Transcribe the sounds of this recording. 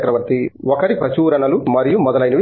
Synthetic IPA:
kɾɐʋɐɾt̪iɔkɐɾipɐt͡ʃuːɾɐnɐlumɐɾijumɔd̪ɐlɐjnɐʋi

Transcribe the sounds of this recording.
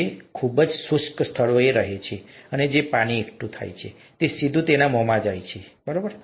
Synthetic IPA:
ekʰubəd͡ʒsʊskst̪ʰəɭoeɾəɦet͡ʃʰeəned͡ʒepaɽ̃iekʈũt̪ʰa̰jt͡ʃʰḛ | t̪esid̪ʱũt̪enamɔmad͡ʒajt͡ʃʰebəɾobəɾ

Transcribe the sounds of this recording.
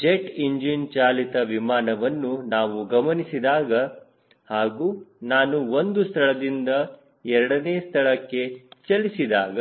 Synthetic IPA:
d͡ʒeʈiɲd͡ʒint͡ʃaːlit̪ɐʋimaːnɐʋɐnːunaːʋuɡɐmɐnisid̪aːɡɐ | haːɡuːnaːnuo̞nd̪ust̪ʰɐɭɐd̪ind̪ɐ | ɛɾɐɽɐneːst̪ʰɐɭɐkːe̞t͡ʃɐlisid̪aːɡɐ

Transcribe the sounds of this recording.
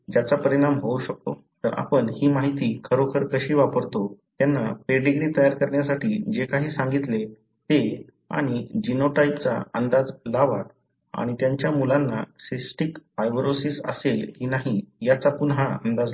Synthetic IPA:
d͡ʑjat͡sapəɾiɽ̃amɦouɕək̚t̪ot̪əɾa̰pəɳhiːmaɦit̪iːkʰəɾokʰəɾkəɕiːʋapəɾt̪ot̪janːapeɖiɡɾiːt̪əjaɾkəɾɳjasaʈiːd͡ʑekaɦiːsãŋɡit̪le | t̪e | a̰ɽ̃id͡ʑinoʈaipt͡sa̰ənd̪ad͡zlaʋat̪̚ | a̰ɽ̃it̪jaɲt͡ɕjamulanːa̰sisʈikfajbɾosisə̰selkiːnaɦijat͡sakunɦaə̰nd̪ad͡z

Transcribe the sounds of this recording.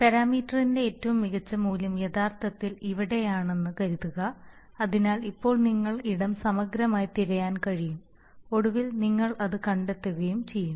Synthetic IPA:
pɐɾaːmiːtːɐrinde̞eːtːɐʋumːiɣɐt͡ɕːɐmuːlɐmjɐðaːrt̪ʰɐt̪ːiliʋiɽe̞jaːɳe̞nːɨkɐɾiðuɣɐ | ɐðinaːlipːo̞ːɭniŋːɐɭiɽɐmsɐmɐɡɾɐmaːjt̪iɾɐjaːnkɐɻijum | o̞ɽuʋilniŋːɐɭɐðɨkɐɳɖet̪ːuɣɐjumt͡ɕe̞jːum

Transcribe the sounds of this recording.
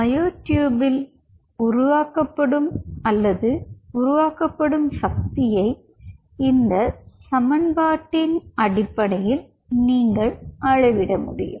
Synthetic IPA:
mɐjoːʈjuːbɪl | ʊɾʊʋaːkɐpːɐɽɯmɐlːɐðɯʊɾʊʋaːkɐpːɐɽɯmsɐk̚t̪ɪjɐɪ | ɪnd̪ɐsɐmɐnbaːʈːɪnɐɽɪpːɐɽɐjɪl | niːŋɡɐɭʔɐɻɐʋɪɽɐmʊ̰ɽɪ̰jɯ̰m

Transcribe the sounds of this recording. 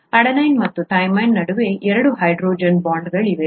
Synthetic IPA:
ɐɽɐnɐjnmɐt̪ːuʈɐjmɐjnːɐɽuʋe̞ʔɛɾɐɽuɦɐjɖɾoːd͡ʒɐnbaːɳɖɡɐɭiʋe

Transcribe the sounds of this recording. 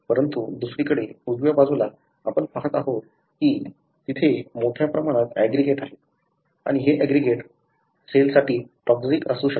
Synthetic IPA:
pəɾənt̪ud̪usɾiːkəɽeud͡zʋjabad͡zula | apəɳpaɦət̪aɦot̪ | kiː | t̪it̪ʰemoʈʰjapɾəmaɽ̃at̪æɡɾiɡeʈaɦe | a̰ɽ̃iɦeʔæɡɾiɡeʈ | selsaʈʰiːʈɔksikəsuːɕə

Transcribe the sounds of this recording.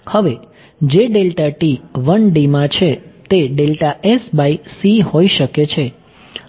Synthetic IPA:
həʋe | d͡ʒeɖelʈaʈiʋənɖimãt͡ʃʰet̪eɖelʈaesbaisiɦoiʃəket͡ʃʰe

